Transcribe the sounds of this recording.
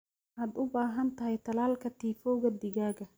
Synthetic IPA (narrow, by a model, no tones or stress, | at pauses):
ʔɐd̪ʊbaːɦɐnt̪ɐhɛjt̪ɐlaːlkɐt̪iːfɔːwɣɐd̪ɪɡaːɡɐ